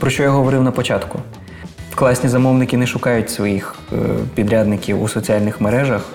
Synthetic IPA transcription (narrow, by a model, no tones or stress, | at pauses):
pɾɔʃt͡ʃɔjaɦɔʋɔɾɪwnɐpɔt͡ʃɑt̪kʊ | fklˠɑsʲnʲizɐmɔwnɪkʲɪnɛʃʊkɑjʊtʲsʋɔjix | pʲid̪ɾʲad̪nɪkʲiwusɔt͡sʲialʲnɪxmeɾɛʒɐx